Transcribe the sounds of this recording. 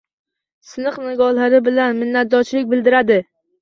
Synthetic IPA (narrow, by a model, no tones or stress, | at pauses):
sɪnɨqnɪɡɒlaɾɪbɪlanmɪnːat̪̚d̪ɒt͡ʃlɪk̚ʲbɪld̪ɪɾad̪ɪ